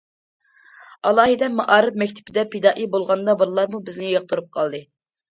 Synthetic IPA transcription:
ɑlˠɑːɦɪd̪ɛmɑʔɑːɾɨpmɛkʲt̪ʰɪ̥pʰɪd̪ɛpʰed̪ɑːʔibolˠʁɑnd̪ɑbɨɾlˠɑɾmubɪznɪjəq̚t̪ʰuɾup̚qʰɑlˠd̪ɨ

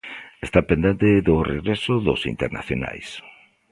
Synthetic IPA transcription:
est̪apend̪ent̪ɪðʊreɣɾesʊðʊ̰sḭnt̪eɾna̰θjo̰na̰js

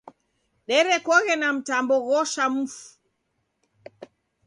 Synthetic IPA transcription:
ɗɛɾɛkɔɣɛnam̩tambɔɣɔʃam̩fu̥

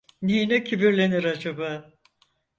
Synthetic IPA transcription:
ninɛcʰibiɾlʲe̞niɾad͡ʒabaː

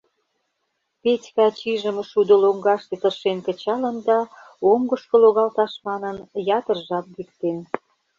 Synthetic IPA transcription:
petʲkɑt͡ɕiʒə̆məʃud̪oloŋɡɑʃt̪et̪ərʃenkə̆t͡ɕɑlənd̪ɑoŋɡə̆ʃkə̆loɣɑlt̪ɑʃmɑnənjɑt̪ərʒɑt̪̚likt̪en

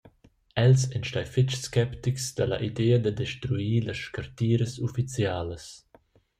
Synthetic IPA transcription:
ɛlsɛnʃtajfɪt͡ʃskɛpt̪iksd̪alɐ̰ʔid̪ɛːəd̪əd̪ɛʃt̪ɾuiːlɐʃkart̪iːɾəsufit͡sjaːləs

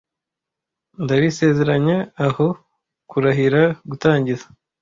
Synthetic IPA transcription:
ndaβise̞ːze̞ɾaɲeaho̞ | kuɾaɦiɾaɡutaːɲɟizḁ

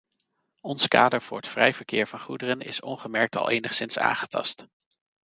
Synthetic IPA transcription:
ɔnska̰ːdəɹv̥ʊːɹɦətfrɛjv̥əɹkɪːɹvɑnχudərənɪ̰sɔnχəmɛɹk̚tɑ̰lˠejnəχsɪnsa̰ːŋχətɑ̰st

